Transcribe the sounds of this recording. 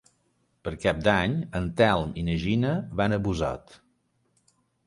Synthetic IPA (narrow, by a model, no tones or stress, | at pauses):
pəɾkap̚d̪aɲənt̪ɛlˠminəʒinəβanəβuza̰t̪